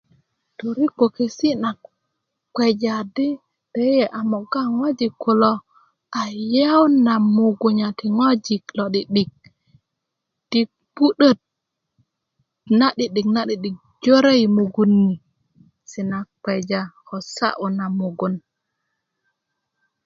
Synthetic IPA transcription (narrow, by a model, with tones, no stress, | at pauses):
to˨ɾi˦ko˨ke˨si˦na˨k̚ | k͡pʷe˨d͡ʒa˨di˦ | d̥e˦je˨ʔa˨mo˨ɡa˦ŋo˦d͡ʒi˨kːu˨lo˦ | a˨je˦wna˨mu˨ɡu˨ɲa˨ti˨ŋo˦d͡ʒi˨klo˨ɗi˨ɗi˨k̚ | ti˨ | pu˦ɗə˦t̚ | na˦ɗi˨ɗi˨kna˦ɗi˨ɗi˨k̚d͡ʒo˦ɾe˦jmu˨ɡu˨nːi˨ | si˨na˨kk͡pe˨d͡ʒako˨sa̰˦ʔu˨na˨mu˨ɡu˨n